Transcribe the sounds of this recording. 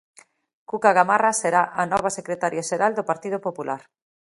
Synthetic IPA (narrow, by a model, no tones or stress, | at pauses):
kukaɣamaraseɾaʔanɔβ̞asekɾet̪aɾjaʃeɾald̪opaɾt̪iðopopulaɾ